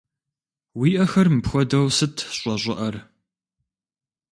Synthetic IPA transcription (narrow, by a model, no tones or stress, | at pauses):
wiːʔɐxɐrmɨpxʷɔdɐwsɨtʰɕʷʼɔɕʷʼʊʔɐr